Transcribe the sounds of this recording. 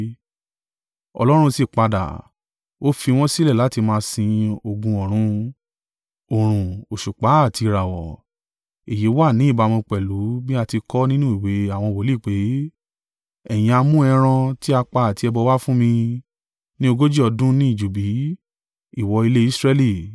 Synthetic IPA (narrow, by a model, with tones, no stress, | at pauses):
ɔ̰˧lɔ˦ɾ̃ũ˦si˨k͡pa˧da̰˨ | o˦fi˧w̃ɔ̃˦si˦lɛ˦˨la˨˦ti˧mãː˧˦sĩ˧o˨ɡũ˧ɔ˨ɾ̃ũ˧ | o˨ɾ̃ũ˨o˨ʃu˨k͡pa˨˦a˦˨tʰi˧ɾa˨wɔ˨ | e˨ji˨˦wa˦˨nĩ˨˦i˦˨ba˧mũ˧k͡pɛ˨lu˨˦bi˦a˧ti˧kɔ˦nĩ˦nũ˦i˦˨we˨˦a˦˨w̃ɔ̃˧wo˨˦li˦˨k͡pe˨˦ | ɛ˨j̃ĩ˧a˧mũ˦ɛ˧ɾ̃ã˧ti˦a˧k͡pa˧a˨ti˧ɛ˧bɔ˧wa˦fũ˦mĩ˧ | nĩ˦o˧ɡo˦d͡ʒi˦ɔ˧dũ˦nĩ˦i˦˨d͡ʒu˨bi˨˦ | i˦˨wɔ˧i˧le˦i˦sɾɛ˧li˦˨